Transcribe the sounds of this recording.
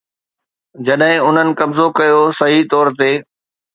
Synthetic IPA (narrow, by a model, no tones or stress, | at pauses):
d͡ʑɐɗɦɪ̃ʊn̤ənɪ̆kɐbzokɐjosɐɦit̪ɔːɾt̪eː